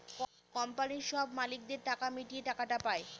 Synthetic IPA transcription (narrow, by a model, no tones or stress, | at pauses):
k | kɔmpaniɾʃɔbʱmalik̚d̪eɾʈakamiʈieʈakaʈapae